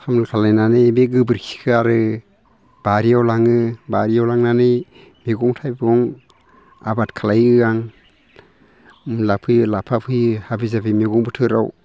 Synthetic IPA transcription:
hʰamlkʰalajnanɯbeɡɯbɯɾkʰi̥kʰɯaɾɯ | b̥aɾiawlaŋɯbaɾiawlaŋnanɯj | miɡɔŋtʰajbɡɔŋ | a̰batkʰalajɯaŋ | lapʰɯjɯlapʰapʰɯjhabizapʰimiɡɔŋbɯtʰɯɾaw

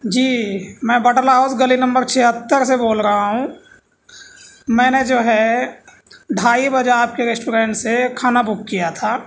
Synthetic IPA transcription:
d͡ʒiːmɛ̃ːbəʈəlɦaʊsɡəlinə̃mbəɾt͡ʃʰeɦət̪ːəɾseboːlɾəɦaɦũ | mɛ̃ːned͡ʒoːɦɛ | ɖʱaːibəd͡ʒeaːp̚keɾesʈuːɾẽːɳʈsekʰaːnabʊkːijat̪ʰaː

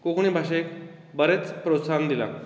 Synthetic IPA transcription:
kokɳ̃ĩbʱaɕ̬eek | bəɾet͡spɾosand̪ila̰

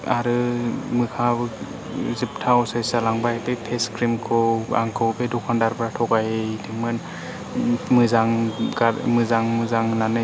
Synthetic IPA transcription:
aɾɯmɯkʰa | zip̚tʰawɔsajsalaŋbajtepʰeskɾimkʰɔa̰ŋkʰɯwbedɔkʰandaɾbɾatʰɔkajedʰɯmɯn | mɯzaŋɡamɯzaŋmɯzaŋnanɯ

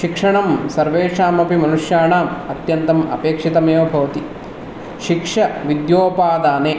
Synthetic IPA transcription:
ʃikʂɐɳɐmsɐɾʋeːʂaːmɐpimɐnuʂjaːɳaːmɐt̪jɐnt̪ɐmɐ̰peːkʂit̪ɐmeːʋɐbʱɐʋɐt̪i | ʃikʂɐʋid̪joːpaːd̪aːneː

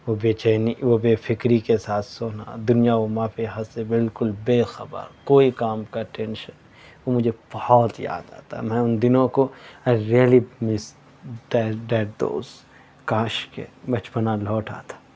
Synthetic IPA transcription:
ʋobeːt͡ʃeniʋobeːfʰɪkɾikesaːt̪ʰsoːna̰d̪ʊnijaomãːpʰiɦɐsebɪlkʊlbeːxɐbə̰ɾkoːikaːmkaʈɛ̃ːnʃən | ʋomʊd͡ʒʱeb̥ɐhɔːt̪ja̰ːd̪a̰ːt̪a̰mɛ̃ʊnd̪ɪnõkoaɪɾiəlimɪs | ɖɛɖɛːʈ̚ɖ̪o̰ːz | kãːʃkḛbɐt͡ʃpənalɔːʈa̰ːt̪ʰḁ

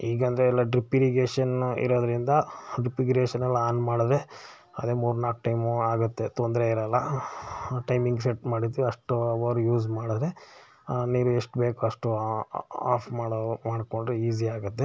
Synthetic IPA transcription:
iːɡɐnd̪ɐɾeɛlːɐɖɾipiɾiɡeːʂɐnḭɾoːd̪ɐɾind̪ɐɖɾipiɡɾeːʃɐnɐlːaːnmaːɽd̪ɾe̞ | ɐd̪eːmuːɾnaːk̚ʈɐjmaːɡut̪ːe̞t̪ond̪ɾeiɾɐlːɐ | ʈɐjmiŋɡseʈmaːɽit̪ːiʋiɐʂʈuɐʋɐɾujuːzmaːɽid̪ɾe̞ | niːɾueʂʈbeːkuɐʂʈu | a̰ːpʰmaːɽmaːɽko̞ɳɖɾeiːziaːɡut̪ːe

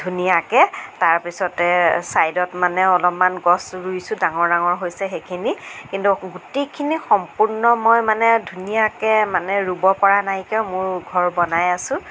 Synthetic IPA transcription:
dʱunijakɛtaɹpisɔtɛsajdɔtmanɛɔlɔpmanɡɔsɹujsʊ̃daŋɔɹdaŋɔɹɦojsɛxekʰinikintuɡutejkʰinixɔmpuɹnɔmojmanɛdʱunijakɛmanɛɹubɔpɔɹanajkɛmʊɹɡʱɔɹbɔnajasʊ̃

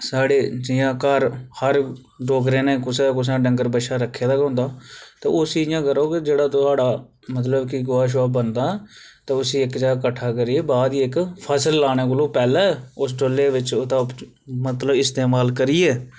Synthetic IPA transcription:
saːɽeːd͡ʒɪjãːkəɾhəɾ | ɖoːɡɾeːnẽːkʊsekʊs̬ãːɖəŋɡəɾbəʃaːɾəkʰːeːd̪aːkɦõːnd̪aːt̪ḛːʊsiːɪjãːkəɾoːkɪd͡ʒeːɽaːt̪ʊaːɖaː | mət̪̬ləbkɪɡʊaːʃ̬ʋaːbənd̪aːɛːt̪eːʊsiːɪkd͡ʒeːakəʈʰːaːkəɾieːbaːd̪iːɪkpʰəsəlːaːɽ̃eːk̬əloːpɛːlaːʊs̬ʈolːeːʋɪt͡ʃːt̪aː | mət̪ləbɪst̪eːmaːlkəɾiːɛː

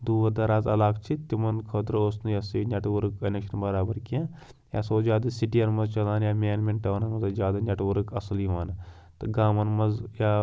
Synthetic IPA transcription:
d̪uːɐd̪ɐɾaːzɐ̰laːkt͡ʃʰit̪imɐnkʰɐt̪ɾoːsnɨjɐsinʲɐʈʋɐɾɨkɐnʲekʃɐnbɐɾaːbɐɾkiãː | jaːsoːzʲjaːd̪ɐsiʈijɐnmɐzt͡ʃɐlaːnjaːmʲeːnmʲenʈɐʋnɐnɐt̪ɐzjaːd̪anʲɐʈʋɐɾukɐsliʋaːnɐ | t̪ɨɡaːmɐnmɐzjaː

